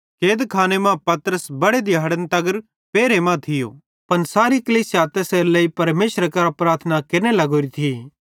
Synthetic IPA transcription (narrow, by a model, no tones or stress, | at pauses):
keːd̪kʰaːnemãpɐt̪ɾəsbɐɽed̪ɪjaːɽənt̪ɐɡəɾ | peːɾemãt̪ʰɪjo̰ː | pɐnsaːɾikliːsjaːt̪ɛseːɾlɐipɐɾmeːʃɾəkɐɾapɾaːt̪ʰnakɪnelɐɡoːɾit̪ʰiː